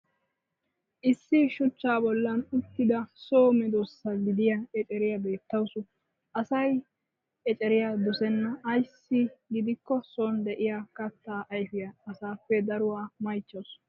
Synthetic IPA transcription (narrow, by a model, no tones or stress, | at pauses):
ʔɪsːɪʃʊt͡ʃːaːbɔlːɐnʊt̪ːɪd̪ɐsoːmɛd̪osːɐɡɪd̪ɪjɐɛt͡ʃʼɛɾɪjɐbe̞ːt̪ːɐwsʊ | ʔɐsɐj | ɛt͡ʃʼɛɾɪjad̪ɔsɛnːɐːjsːɪɡɪd̪ɪkːɔsoːnd̪ɛʔɪjakɐt̪ːaːʔɐjfɪjɐɐsaːpːɛd̪ɐɾʊwaːmɐjt͡ʃːɐws